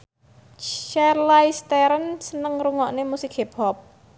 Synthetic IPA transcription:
t͡ʃɛrlaist̪ɛɾənsənəŋɾuŋɔʔnemusikhepʰɔp̚

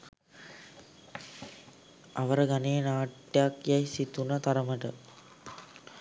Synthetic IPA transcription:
ʔɐʋɐɾəɡɐneːnaːʈjaːkjajsit̪unɐt̪ɐɾɐməʈə

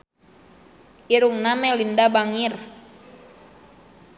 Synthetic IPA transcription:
ʔiɾuŋnamɛlindabaŋir

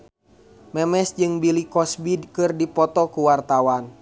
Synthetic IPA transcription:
mɛmɛsd͡ʒɨŋbilikɔsbidkɨrdipɔt̪ɔkuwart̪awan

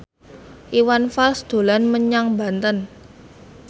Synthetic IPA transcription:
ʔiwanfalsd̪̥o̤lanməɲaŋba̤nt̪ən

